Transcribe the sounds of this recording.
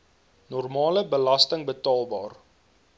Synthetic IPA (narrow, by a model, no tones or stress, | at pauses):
nɔrmɑːləbəlɐstəŋbətɑːlˠbɑːr